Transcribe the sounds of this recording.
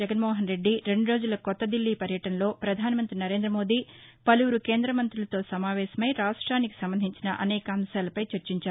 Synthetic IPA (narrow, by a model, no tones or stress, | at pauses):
d͡ʒɛɡɐnmɔːɦɐnɾe̞ɖːiɾe̞ɳɖuɾo̞ːd͡ʒulɐkɔt̪ːɐd̪ilːiːpɐɾjɐʈɐnɐlo̞ːpɾɐd̪ʱaːnɐmɐnt̪ɾinɐɾe̞ːnd̪ɾɐmo̞ːd̪iːpɐluʋuɾukeːnd̪ɾɐmɐnt̪ɾulɐt̪o̞ːsɐmaːʋɛːʃɐmɐjɾaːʂʈɾaːniki̥sɐmbɐnd̪ʱiɲt͡ʃinɐʔɐ̰nɛːkɐɐmʃaːlɐpɐjt͡ʃɐɾt͡ʃiɲt͡ʃaːɾu